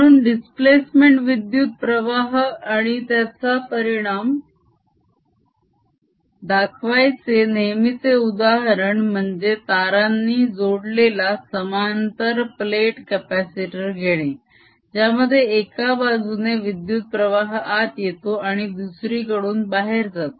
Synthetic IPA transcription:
məɾuːnɖisplesmeɳʈʋid̪jut̪̚pɾəʋaɦaɽ̃it̪jat͡sapəɾiɽ̃am | d̪akʰʋajt͡senejmit͡seud̪aɦɾəɳm̤əɳd͡zet̪aɾanːiːd͡zoɽlelasəmant̪əɾpleʈkɛpæsiʈiɾɡʱeɽ̃e | d͡ʑjaməd̪ʱːjeːkabad͡zʱuneʋid̪jut̪̚pɾəʋaɦat̪jet̪oaɽ̃id̪usɾiːkəɽuːnbaɦeɾd͡zʱat̪o

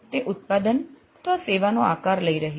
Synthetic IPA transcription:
t̪eʔʊt̪̚pad̪ən | t̪ʋaseʋanoakaɾləiɾəɦe

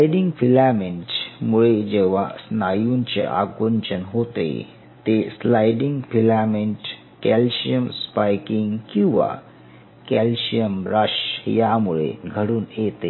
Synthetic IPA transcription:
ajɖiŋɡpʰilameɳʈmuɭed͡ʑeːʋasnaːjunt͡ɕḛʔa̰kʋuɲt͡ɕənɦot̪ḛ | t̪eslajɖiŋɡpʰilameɳʈ | kɛlɕijəmspajkiŋɡkĩw̃ʋa̰ | kɛlɕijəmɾəʃjamuɭḛɡʱəɽuːnjet̪e

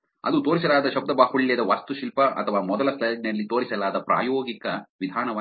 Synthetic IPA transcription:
ɐ̰d̪ut̪oːɾis̬ɐlaːd̪ɐʃɐb̚d̪ɐbaːhuɭjɐd̪ɐʋaːst̪uʃilpɐʔɐ̰t̪ʰɐʋaːmɔd̪ɐlɐslɐɖnɐlːit̪oːɾisɐlaːd̪ɐpɾa̰ːjoːɡikɐʋid̪ʱaːnɐʋː

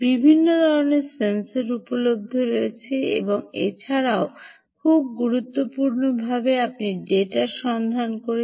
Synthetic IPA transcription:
bibʱinːod̪ʱɔɾoneɾsenseɾupolob̚d̪ʱoɾojet͡ɕʰeḛboŋḛt͡ɕʰaɾao | kʰub̚ɡuɾut̪ːopuɾnobʱabeapniɖeʈaʃɔnd̪ʱankoɾe

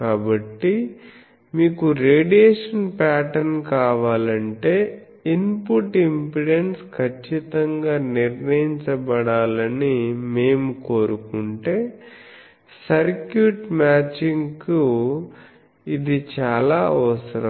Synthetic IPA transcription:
kaːbɐʈːi | miːkuɾeːɖieːʂɐnpaːʈɐnkaːʋaːlɐɳʈe̞ː | inpuʈimpiɖenskʰɐt͡ʃːit̪ɐŋɡaːniɾnɐjiɲt͡ʃɐbɐɽaːlɐnime̞ːmukoːɾukuɳʈe̞ː | sɐɾkjuʈmaːt͡ʃiŋku | id̪it͡ʃaːlaːɐʋɐsɐɾɐ

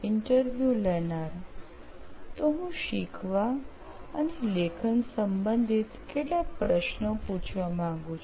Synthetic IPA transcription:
ɪɳʈəɾʋjulɛnaɾ | t̪oɦũʃikʰʋa | ənelekʰənsəmbənd̪ʱit̪keʈlapɾəʃnoput͡ʃʰʋamãŋɡũt͡ʃʰ

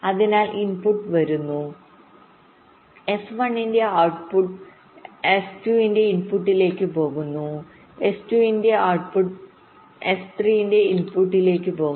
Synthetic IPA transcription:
ɐðinaːlʔinpuʈːʋɐɾunːu | esʋɐɳːindeawʈpuʈ | estuinde̞inpuʈːile̞ːkːɨpo̞ːɣunːu | estuindeaːʈ̚puʈ | est̪riːjinde̞inpuʈːile̞ːkːɨpo̞ː

